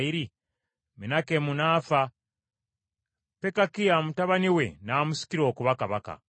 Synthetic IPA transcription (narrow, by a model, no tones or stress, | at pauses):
iɾi | minakemunaːfa | pe̞kakijamutaβaniwe̞naːmusi̥kiɾo̞ːkuβakaβaka̰